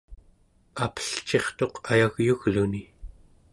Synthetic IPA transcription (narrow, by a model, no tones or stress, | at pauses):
apə̥ɬt͡ʃe̞χt̪o̞qʰajaɣjuɣluni